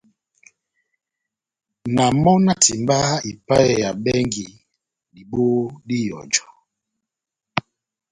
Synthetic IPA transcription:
na˨mɔ˦na˦ti˨mba˦i˨pa˦jɛ˨ja˨ɓɛ˦ŋɡi˨ | di˨ɓo˦di˦jɔ̰˨d͡ʒɔ̥˨

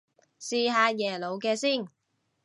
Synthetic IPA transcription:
siː˧ɦaː˨˧jɛː˨˩lo˨˧wkɛː˧siː˥˩n

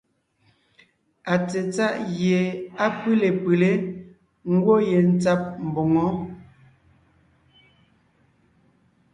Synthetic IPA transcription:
a˨t͡se˨t͡sa˦ʔɣjje˨a˦pɨ˦le˨pʉ˨le˦ | ŋ̩˦ɡwo˦je˨n̩˦t͡sa˦p̚m̩˨bo˨ŋɔ˨˦

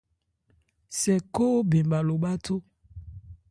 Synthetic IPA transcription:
sɛ˨ko˦be˨mba˨lo˨ɓa˦tʰo˦

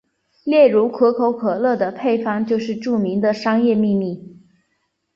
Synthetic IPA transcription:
ljɛ˥˩ɻu˧˥kʰɤ˧˥kʰo˧˥ʊkʰɤ˨˩lɤ˥˩d̪ə˩pʰe˥˧ɪfɑ˥˩ŋt͡ɕjo˥˧ʊʂɻ̩˥˧ʈ͡ʂu˥˩mi˧˥ŋd̪ə˧ʂɑ˥ŋjɛ˥˧mi˥˧mi˥˩

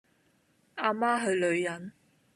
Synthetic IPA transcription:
aː˧maː˥ɦɵ˧ɥlɵ˨˧ɥjɐ˨˥n

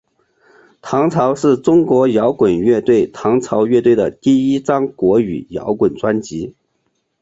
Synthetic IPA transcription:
t̪ʰɑ˧˥ŋt͡sʰɑ˧˥ʊʂɻ̩˥˩ʈ͡ʂʊ˥ŋkwɔ˧˥jɑ˧˥ʊkwə˨˩nɥɛ˥˧t̪we˥˩ɪt̪ʰɑ˧˥ŋt͡sʰɑ˧˥ʊɥɛ˥˧t̪we˥˩ɪd̪ə˩t̪i˥˩i˥ʈ͡ʂɑ˥ŋkwɔ˧˥y̰˨˩jɑ̰˧˥ʊkwə˨˩nʈ͡ʂwa˥nt͡ɕi˧˥

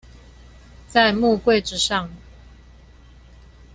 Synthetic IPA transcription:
t͡sa˥˧ɪmu˥˧kwe˥˨ɪʈ͡ʂɻ̩˨˧ʂɑ˥˨ŋ

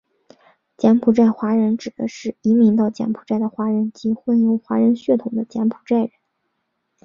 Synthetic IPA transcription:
t͡ɕjɛ˧˥npʰu˨˩ʈ͡ʂa˥˩ɪxwa˧˥ɻə˧˥nʈ͡ʂɻ̩˨˩d̪ə˦ʂɻ̩˥˩i˧˥mi˧˥ŋt̪ɑ˥˩ʊt͡ɕjɛ̰˧˥npʰu̥˨˩ʈ͡ʂa˥˩ɪd̪ə˩xwa˧˥ɻə˧˥nt͡ɕi˧˥xwə˥˩njo˧˥ʊxwa˧˥ɻə˧˥nɕɥɛ˥˩t̪ʰʊ˨˩ŋd̪ə˦t͡ɕjɛ˧˥npʰu̥˨˩ʈ͡ʂa˥˩ɪɻə˧˥n

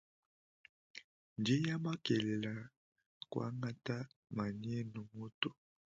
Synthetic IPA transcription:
n˨de˦ja˦ma˦kɛ˨le˨la˨ | kwa̰˦ŋa˦ta˦ma˨ni˦ɛ˦no˨mo˦to˦

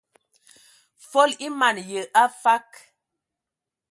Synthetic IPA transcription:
fo˦li˦ma˨njə˨ʔa˦fa˦k

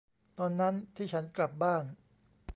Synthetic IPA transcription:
t̪ɔː˧nːa˦˥nt̪ʰiː˥˩t͡ɕʰa˦˥nkla˨˩p̚baː˥˩n

